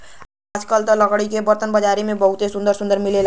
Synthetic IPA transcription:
ad͡ʒkəlt̪ələɡɽikebəɾt̪ənbəd͡ʒaːɾimẽbəɦʊt̪esʊ̃nd̪əɾsʊ̃nd̪əɾmɪlel

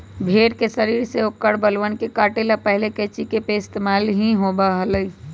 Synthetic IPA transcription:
bʱeːɽkesəɾiːɾseokːəɽbəlʋənkekaːʈelapəɦleket͡ʃikepeɪst̪emaːlɦĩɦobaɦələi

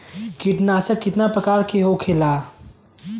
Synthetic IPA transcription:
kiʈnaːsəkːɪt̪napɾəkaːɾkʰeɦokʰeːla

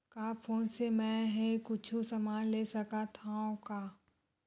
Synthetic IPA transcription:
kaːpʰoːnsemɛ̃ɦẽkʊt͡ʃʰusɐmaːnlesɐkat̪ʰaõkaː

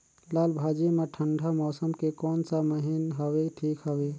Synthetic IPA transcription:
lalbʱad͡ʒimeʈʰəɳɖʱamɔːsəmkekɔːnsaməɦinɦəbeʈʰikɦəbe

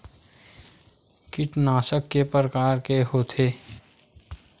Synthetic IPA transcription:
kɪʈnaːsəkːepəɾəkaːɾkeɦot̪ʰeː

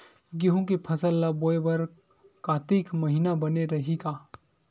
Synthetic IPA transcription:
ɡeɦũkepʰɐsəlːaboːebɐɾ | kaːt̪iːkmɐɦinabɐneɾɐɦiɡaː

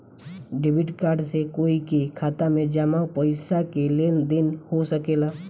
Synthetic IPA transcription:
ɖɪbɪʈkaːɾɖsekoːikekʰaːt̪amẽd͡ʒəmapəɪsakelend̪ɪnhosəkeːlaː

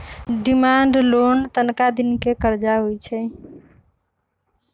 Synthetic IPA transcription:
ɖimaɳɖlont̪ənkad̪inkekəɾd͡ʒaɦojt͡ʃʰɛ

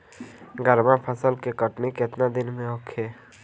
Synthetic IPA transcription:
ɡəɾmãpʰəsəlkekəʈnikɪt̪nad̪ɪnmẽokʰːeː

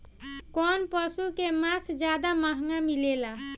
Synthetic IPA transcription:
kɔnpəsukemasd͡ʒjad̪amaɦŋamilela

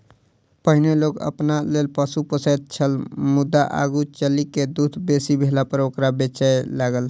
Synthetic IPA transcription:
pəɦineloɡə̰pnalelpəsupəsəd̪̚t͡ʃʰəlmud̪ːaʔa̰ɡut͡ʃəliked̪ud̪ʱbesibʱelapəɾokɾabet͡ʃəjlaɡəl

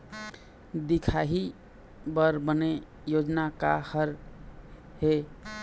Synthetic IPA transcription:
d̪ikʰaɦi | bəɾbəne | jod͡ʒnakahəɾ | ɦe

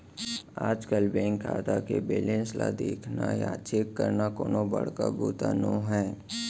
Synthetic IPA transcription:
aːd͡ʒkəlbɛ̃ːŋkʰaːt̪akebeːlẽnslad̪eːkʰnajat͡ʃʰekːəɾnakoːnobəɽ̤kabuːt̪anõɦɛː

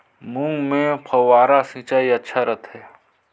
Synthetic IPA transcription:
mũŋɡmẽpʰɐaːɾasĩːt͡ʃaːiɐtːʃʰaɾɐt̪ɦɛː

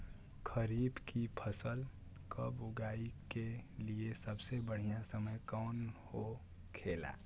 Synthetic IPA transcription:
kʰəɾiːbkipʰəsəl | kəbʊɡaːikeliesəbsebəɽ̤ijãsəməjkɔːnho | kʰeːla̰

